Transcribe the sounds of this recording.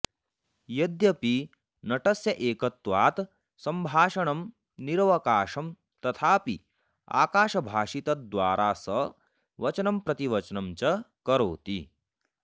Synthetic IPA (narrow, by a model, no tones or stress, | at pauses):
jɐd̪jɐpi | nɐʈɐsjɐʔeːkɐt̪ʋaːt̪ | sɐmbʱaːʃɐɳɐm | niɾʋɐkaːʃɐm | t̪ɐt̪ʰaːpi | a̰ːkaːʃɐbʱaːʃit̪ɐd̪ʋaːɾʔaːsɐ | ʋɐt͡ʃnɐmpɾɐt̪iʋɐt͡ʃnɐmt͡ʃɐkɐɾoːt̪i